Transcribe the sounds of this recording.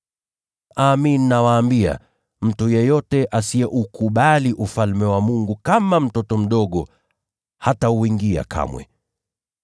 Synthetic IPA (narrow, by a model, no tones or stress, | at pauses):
aːminnawaːmbia̰ | m̩tujɛjɔtɛʔasiɛʔukuɓaliʔufalmɛwamuŋɡukamam̩tɔtɔm̩ɗɔɠɔ | hatauwiŋɡia̰kʰa̰mwɛ̰